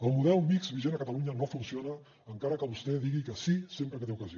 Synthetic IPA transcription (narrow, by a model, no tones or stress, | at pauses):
əlˠmuðɛlˠmikzβiʒenəkət̪əluɲənofunsionəː | ŋkaɾəkəβust̪ɛðiɣikəsisempɾəkət̪eukəzio